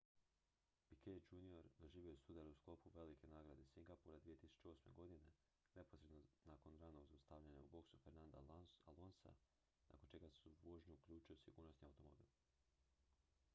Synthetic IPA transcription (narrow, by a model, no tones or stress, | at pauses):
pikʰed͡ʒunio̞ɾd̪o̞ʒiːʋiosud̪aɾusklo̞puʋe̞like̞naːɡɾad̪esiŋɡapuːɾad̪ʋije̞t̪isu̥t͡ʃeo̞sme̞̰ɡo̞d̪ine̞ | ne̞po̞sɾe̞d̪nonaːko̞nɾaːnoɡzaust̪aːʋʎaɲauboksufeɾnand̪aalonsa̰ | nʔa̰kont͡ʃe̞ɡasuʋoʒɲoukʎuːt͡ʃuosiɡṵːɾnosniawt̪o̞mobḭːlˠ